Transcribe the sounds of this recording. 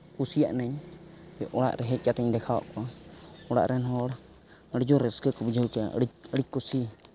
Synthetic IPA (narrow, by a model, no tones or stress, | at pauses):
kusija̰ʔnɛɲ | bɛʔɔɽa̰ʔɾɛɦɛt͡ʃat̪ɛɲd̪ɛkʰaɔ̰ʔkuaɔɽa̰ʔɾʔɛnɦɔɽ | əɽd͡ʒɔɾɛskɛkubd͡ʒaut͡ʃa̰əɽikusi